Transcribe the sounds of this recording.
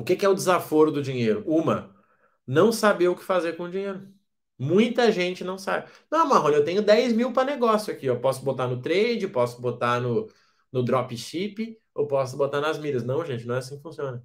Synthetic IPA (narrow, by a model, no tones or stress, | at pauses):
ʊkekɪɛʊd͡ʒɪzafoɾʊd̪ʊd͡ʒĩɲejɾʊũmɐ | nɐ̃w̃sabeʊkɪ̥fazeɾkõʊd͡ʒĩɲejɾʊ | mũj̃t̪ɐʒẽnt͡ʃɪnɐ̃w̃sa̰bɪnɐ̃w̃maɦõnewt̪ẽɲʊd̪ɛjzmiwpɾɐneɡɔsjʊakiepɔsʊbot̪anʊt̪ɾejd͡ʒɪpɔsʊ̥bot̪anʊ | nʊd̪ɾɔpĩʃipɪ | owpɔsʊbot̪aɾnɐzmiɾɐsnɐ̃w̃ʒẽnt͡ʃɪnɐ̃w̃ɛasĩkɪfũsiõnɐ